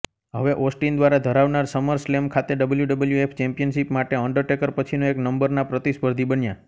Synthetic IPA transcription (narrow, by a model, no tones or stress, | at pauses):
ɦəʋeʔosʈind̪ʋaɾad̪ʱəɾaʋnaɾsəməɾslemkʰat̪eɖəbəljuɖəbəljuepʰt͡ʃɛ̃mpijənʃipmaʈeəɳɖəɾʈekəɾpət͡ʃʰinoeknəmbəɾnapɾət̪ispəɾd̪ʱibənja